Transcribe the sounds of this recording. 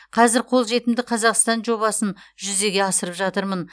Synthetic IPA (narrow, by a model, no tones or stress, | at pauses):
qʰɑzɪɾqʰolˠʒe̞t̪ɪmd̪ɪqʰɑzɑqst̪ɑnʒo̞βɑsənʒʏze̞ɡʲe̞ɑsəɾəpʒɑt̪əɾmən